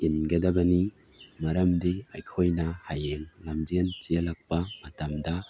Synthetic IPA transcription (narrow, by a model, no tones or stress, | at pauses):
inɡɐdɐbɐni | mɐɾɐmdiajkʰojnɐhajeŋlɐmd͡ʒent͡ʃijɐlɐk̚pɐmɐtamdɐ